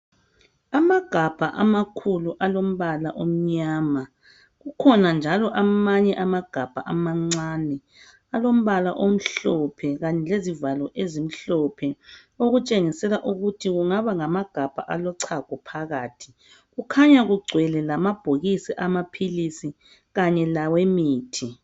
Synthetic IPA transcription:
amaɡ̥ʱab̥ʱaʔamakʰuluʔalom̩βalaʔom̩ɲaːma | ɣukʰɔnand͡ʒʱalɔʔamaɲɛʔamaɡ̥ʱab̥ʱa̰ʔamaŋ͡ǀaːnɛ | alom̩βalaʔom̩ɬɔpʰɛɣaɲɛlezivalɔʔezim̩ɬɔpʰɛ | oɣut͡ʃʼeŋisɛlaʔuɣutʰiɣuŋaβaŋamaɡ̥ʱab̥ʱa̰ʔalɔǀʰaɡ̥ʱɔpʰaɣaːtʰi̥ | ɣukʰaɲaɣuɡ͡ǀʱwɛlɛlamab̥ʱoɣisiʔamapʰilisi | ɣaɲɛlawemiːtʰi

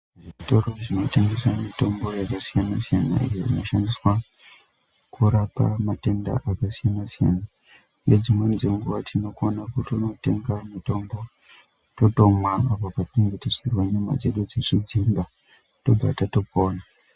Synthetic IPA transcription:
ʐiʐito̞ɾoʐino̞teŋɡeswamito̞mbo̞jakasijanasijana̰ḭjoḭno̞ʃandiswa | kuɾapa̰mate̞nda̰ʔakasijanasija̰na | ned͡zimwend͡zeŋɡuʋatʰino̞konakutono̞te̞ŋɡamito̞mbo̞ | to̞to̞mwaːpopateŋɡetesirwaɲama̰d͡ze̞ɗud͡zeʐid͡zimba | to̞ba̰tatopoːna

